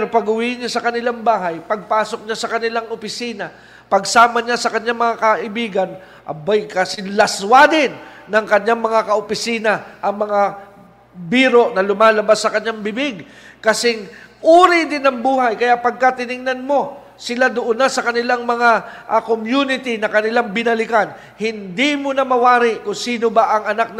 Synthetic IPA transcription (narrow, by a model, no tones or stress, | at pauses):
ɾopɐɡʊwiʔɪnɲasɐkɐnɪlaŋbaːɦɐjpɐɡ̚paːso̞k̚ɲasɐkɐnɪlaŋʔopɪsiːnɐ | pɐɡsaːmɐɲasɐkɐɲːaŋmɐŋakɐʔɪbiːɡɐn | ʔɐ̰bajkɐsɪŋlɐswad̪ɪnːɐŋkɐɲːaŋmɐŋakɐʔopɪsiːnɐʔɐŋmɐŋa | biːɾo̞ʔnɐlʊmaːlɐbasːɐkɐɲːaŋbɪbɪɡ | kɐsɪŋʔuːɾɪd̪ɪnɐŋbuːhajkɐjaʔpɐɡ̚kɐt̪ɪnɪŋnɐnmo̞ | sɪlad̪oʔonːasɐkɐnɪlaŋmɐŋaʔɐkomjunɪt̪ɪnɐkɐnɪlaŋbɪnɐlɪkan | hɪnd̪imonɐmɐwaːɾɪʔkʊŋsiːno̞baʔɐŋɐnak̚n